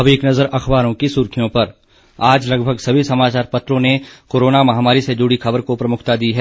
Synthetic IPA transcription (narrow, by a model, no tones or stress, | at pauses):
ɐbʱeːknɐzəɾɐxbaːɾõkisʊɾkʰijõpɐɾ | aːd͡ʒlɐɡbʱəɡsɐbʱisɐmaːt͡ʃaːɾpɐt̪ɾõnekoːɾoːnamɐɦaːmaːɾised͡ʒʊɽikʰɐbəɾkopɾɐmʊkʰt̪ad̪iɦɛː